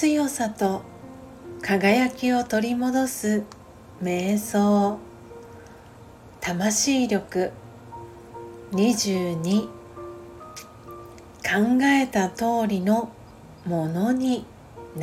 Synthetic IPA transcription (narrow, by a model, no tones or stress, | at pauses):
ɨjo̞sat̪o̞ | kʰaɡajakʲio̞t̪o̞ɾʲimo̞d̪o̞sɨ | me̞ːso̞ː | t̪amaɕiːɾʲo̞kɯ̟ | ɲ̟iʑɨːɲi | kʰãŋɡae̞t̪at̪o̞ːɾʲino̞ | mo̞no̞ɲ̟i | n